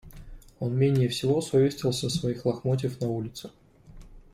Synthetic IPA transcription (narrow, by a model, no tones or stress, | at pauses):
onmʲenʲɪjəfsʲɪvosovʲesʲt̪vʲəlˠsʲəsvɐixlˠɐxmot̬ʲɪfnɐulʲɪt̪sɨ